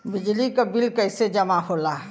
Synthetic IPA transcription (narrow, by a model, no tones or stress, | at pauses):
bɪd͡ʒlikabɪlkɐɪsed͡ʒɐmaɦoːlaː